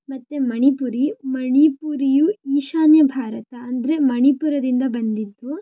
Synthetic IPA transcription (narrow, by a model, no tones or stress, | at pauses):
mɐt̪ːemɐɳipuɾimɐɳipuɾijuiːʃaːnjɐbʱaːɾɐt̪ɐɐnd̪ɐɾe̞mɐɳipuɾɐd̪ind̪ɐbɐnd̪id̪ːu